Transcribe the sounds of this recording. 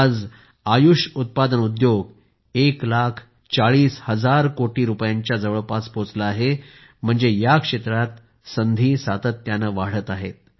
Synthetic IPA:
ad͡z | ajuʂut̪̚pad̪ənud̪joɡ | eklakʰ | t͡saɭiːshəd͡zaɾkoʈiːɾupjaɲt͡ɕjad͡zəʋəɭpaspot͡slaːɦe | m̤əɳd͡zejakʂet̪ɾat̪ | sənd̪ʱiːsat̪ət̪ːjanəʋaɽ̤ət̪aɦet̪̚

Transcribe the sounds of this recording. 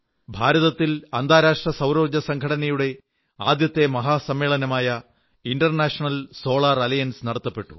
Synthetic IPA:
bʱaːɾɐðɐt̪ːilɐnd̪ʱaːɾaːʂʈrɐsɐwɾoːɡɐsɐŋɡʱɐɽɐnɐjuɽe̞ | aːd̪jɐt̪ːe̞mɐɦaːsɐmːe̞ːɭɐnɐmaːjɐ | iɳɖɐrnaːʂɐɳɐlso̞ːɭaːrɐlɐjɐnsnɐɽɐt̪ːɐpːe̞ʈːu̥̰

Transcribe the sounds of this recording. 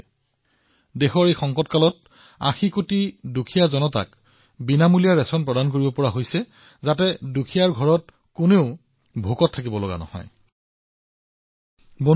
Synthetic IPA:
dexɔɹejxɔŋkɔtkalɔt̚ | a̰xikotidukʰijazɔnɔta̰k | binamulijaɹɛsɔnpɹɔdank̬oɹibɔpɔɹaɦojsɛ | zatɛdukʰijaɹɡʱɔɹɔt̚ | kuneʊ | bʱukɔtʰːakibɔlɔɡa̰nɔ̰hɔ̰j | bo

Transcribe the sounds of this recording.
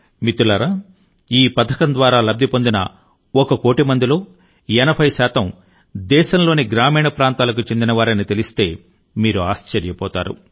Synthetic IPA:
mit̪ulɐɾɐ | iːpɐd̪ʰʱːɐkɐnd̪ʋaːɾaːlɐb̚d̪ʱipo̞nd̪inɐ̰ | ɔkɐko̞ːʈimɐnd̪ilo̞ː | ɛnɐbʱɐjʃaːt̪ɐm | d̪ɛːʃɐmlo̞ːniɡɾaːmiːɳɐpɾaːnt̪aːlɐk̬ut͡ʃe̞nd̪inɐʋaːɾɐnit̪e̞list̪e̞ː | miːɾuaːst͡ʃɐɾjɐpɔːt̪a̰ːɾṵ

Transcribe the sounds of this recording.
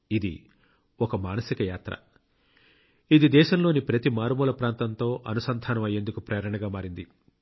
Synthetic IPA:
id̪ḭ | ɔkɐmaːnɐsikɐjaːt̪ɾɐ̰ | id̪id̪ɛːʃɐmlo̞ːnipɾɐt̪imaːɾmuːlɐpɾaːnt̪ɐnt̪o̞ːʔɐnusɐnd̪ʱaːnɐmɐjːe̞nd̪ukupɾɐːjɐɾɐɳɐɡaːmaːɾind̪i

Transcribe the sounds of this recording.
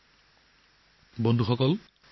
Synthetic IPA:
bɔnd̪ʱuxɔkɔl

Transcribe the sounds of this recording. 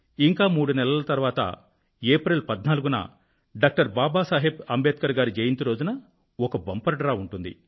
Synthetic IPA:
iŋkaːmuːɽunɛlɐlɐt̪ɐɾʋaːt̪ɐ̰ | eːpɾelpɐd̪naːluɡunɐ̰ | ɖaːk̚ʈɐɾbaːbaːsaːɦebɐmbeːt̪̚kɐɾɡaːɾid͡ʒejint̪iɾo̞ːd͡ʒunɐ | ɔkɐbɐmpɐɾɐɖɾaːuɳʈund̪ḭ

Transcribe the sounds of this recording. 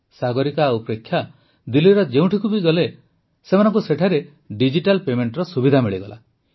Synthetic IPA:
saɡɔɾikaupɾekʰːja | d̪iliɾɔd͡ʒeũʈʰikubiɡɔle | semanɔŋkuseʈʰaɾe | ɖid͡ʒiʈalpemeɳʈɾɔsubid̪ʱamiɭiɡɔ̰lʔa̰

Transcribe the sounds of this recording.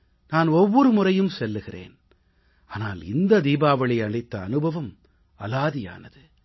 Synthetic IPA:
naːnɔʋːɔɾɯmʊrɐjɯmsɛlːɯɣɪrḛːn | aːnaːlɪnd̪ɐd̪iːbaːʋɐɭɪɐɳɪt̪ːɐːnɯbʱɐʋɐm | ɐlaːðɪja̰ːnɐðɯ

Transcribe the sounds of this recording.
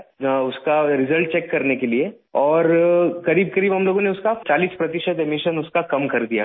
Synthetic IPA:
ʊskaɾɪzəlʈ̚t͡ʃeːkːɐɾnekelie | ɔːɾkɐɾiːb̚kɐɾiːbɦɐmloːɡõneʊskat͡ʃaːliːspɾɐt̪ɪʃəd̪emɪʃənʊskakɐmkɐɾd̪ija̰

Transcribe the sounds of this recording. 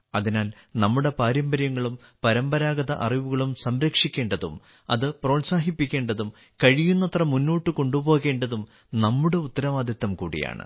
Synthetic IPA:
ɐðinaːl | nɐmːuɽe̞paːɾjɐmbɐɾjɐŋːɐɭumpɐɾɐmbɐɾaːɡɐðɐʔɐriʋuɣɐɭumsɐmɾɐkʂikʲːe̞ːɳɖɐðṵm | ɐ̰ðɨpro̞ːnsaːɦipːikʲːeːɳɖɐðum | kɐɻijunːɐt̪rɐmːunːuːʈːɨko̞ɳɖubo̞ːɣe̞ːɳɖɐðum | nɐmːuɽe̞ut̪ːɐɾɐʋaːd̪ʱɐt̪ːɐmkṵːɽḭja̰ːɳɨ̰

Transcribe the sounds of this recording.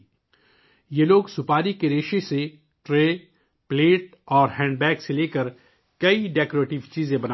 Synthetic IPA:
jeloːɡsʊpaːɾikeɾeːʃese | ʈɾeː | pleːʈ̚ | ɔːɾɦɛ̃ːɳɖbɛːkseleːkəɾ | kɐiɖeːkoːɾeːʈɪʋt͡ʃiːzẽbɐn

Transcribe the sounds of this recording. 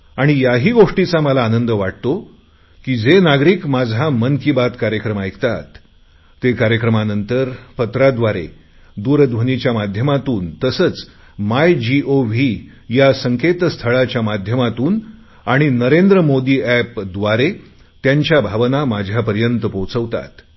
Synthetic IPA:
aɽ̃ijaɦiːɡoʂʈit͡saməlaːnənd̪əʋaʈ̚t̪o | kiːd͡zenaɡɾiːkmad͡zʱamənkibat̪kaɾjəkɾəmaekt̪at̪ː | ekaɾjəkɾəmanənt̪əɾpət̪ɾad̪ʋaɾḛ | d̪uːɾd̪ʋənit͡ɕjamad̪ʱjəmat̪uːnt̪əsət͡s | majd͡ʑiʔoʋi | jasəŋket̪st̪ʰəɭat͡ɕjamad̪ʱjəmat̪uːn | aɽ̃inəɾend̪ɾəmod̪iːæpd̪ʋaɾe | t̪jaɲt͡ɕjabʱaʋnamad͡ʑʱjapəɾjənt̪əpowt͡səʋt̪a̰t̪

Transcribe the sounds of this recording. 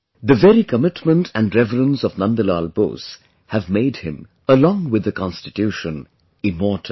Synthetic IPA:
ðəvɛɾikəmɪʈmə̃ntʰæ̃nɖɾɛvəɾə̃nsɔvnʌ̃nd̪əlalbo̰ːs | hævmeɪdhɪ̃m | əlɔ̃ŋwɪd̪əkɑ̃nstɪtjuːʃə̃n | ɪmɔːtʰə

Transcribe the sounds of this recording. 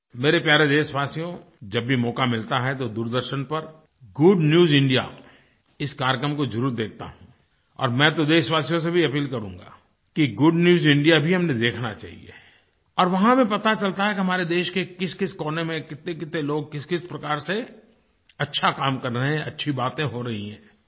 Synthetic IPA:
meːɾepjaːɾed̪eːsʋaːsijõ | d͡ʒɐbːʱimɔːkamɪlt̪aɦɛt̪od̪uːɾd̪əɾʃənpɐɾ | ɡʊɖnjuːzɪ̃ɳɖija̰ | ɪskaːɾkɾəmkozɐɾuːt̪d̪eːk̚ʰt̪a̰ɦũ | ɔ̰ːɾmɛ̃ːt̪od̪eːsʋaːsijõs̬ebʱiɐpiːlkɐɾũːŋɡa̰ː | kiɡʊɖnjuːzɪ̃ɳɖijabʱiɦɐmned̪eːkʰnat͡ʃa̰ːɦḭḛː | ɔːɾʋɐɦãmẽpɐt̪at͡ʃɐlt̪aɦɛkiɦɐmaːɾed̪eːʃkekɪskɪskɔːnemẽkɪt̪ẽkɪt̪ːeloːɡ̚kɪskɪspɾɐkaːɾse | ɐtːʃʰakaːmkɐɾːɐɦẽɐ̰tːʃʰibaːt̪ẽɦoɾɐɦiɦɛ̰̃ː

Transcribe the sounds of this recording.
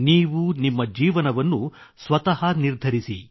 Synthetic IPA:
niːʋunimːɐd͡ʒiːʋɐnɐʋɐnːu | sʋɐt̪ɐɦɐniɾd̪ʱɐɾisḭ

